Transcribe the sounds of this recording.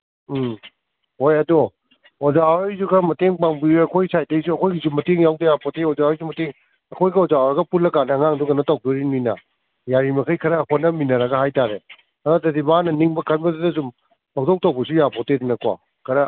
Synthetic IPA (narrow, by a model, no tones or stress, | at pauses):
hojɐdo | ozaoɾjzuɡɐmɐteŋbaŋbiɾiɐkʰojsajtɐjsuɐkʰojɡizumːɐteŋjawdɐjapʰoteɔzaɔjsumɐteŋ | ɐkʰojɡiɔzaoɾɐɡɐpulɐkanɐːŋaŋduɡɐnotaw̚doɾinujnɐ | jaɾimɐkʰɐjkʰɐɾɐːkonɐminɐɾɐɡɐɦajtaɾe | ɐɾɔtɐdimanɐniŋbɐkʰɐnbɐddɐzum | bɐk̚tow̚tawbɐsujapʰotedinɐkwa̰ | kʰɐɾɐ